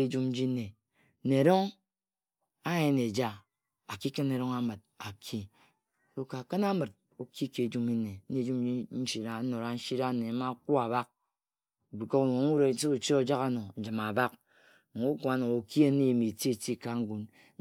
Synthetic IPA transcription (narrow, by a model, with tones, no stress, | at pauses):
e˦d͡ʒu˦m̩˦d͡ʒi˦ne˨˦ | ne˨ɾo˦ŋ | a˦je˦ne˨d͡ʒa˦ | a˨ki˦kɨ˦ne˨ɾo˦ŋa˦mɨ˨t̚ | a˨kʰi˦˨ | o˦ka˨kɨ˦na˦mɨ˨t̚ | o˨kʰi˦ke˨d͡ʒu˦mi˦ne˨˦e˨d͡ʒu˦m˦d͡ʒi˦n̩˦ʃi˦ɾa˨˦no˨ɾa˦n̩˦ʃi˦ɾa˦ne˨˦ma˦ku˦a˨ba˦k̚ | bi˨ko˦kno˨˦ŋ˦u˦ɾe˨n̩˦si˦u˨t͡ʃi˦o˨d͡ʒa˦ka˦no˨n̩˨d͡ʒi˨ma˨ba˦k̩̚˨ | u˦ku˨a˨˦no˨o˨ki˦a˦ne˦˨mi˨ti˦e˨ti˦˨ka˨ŋ̩˦ɡu˨n